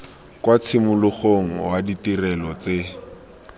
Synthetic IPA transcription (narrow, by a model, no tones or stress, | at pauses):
kwat͡sʰɪmʊlʊχoŋ̩waditirɛlɔt͡se